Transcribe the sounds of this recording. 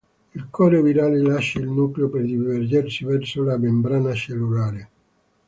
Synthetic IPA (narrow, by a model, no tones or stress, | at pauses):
ilkʰɔːɾoviɾaːlelaʃːailnuːkleoperd̪iverd͡ʒersivɛrsolamembɾaːnaʃelːulaːɾe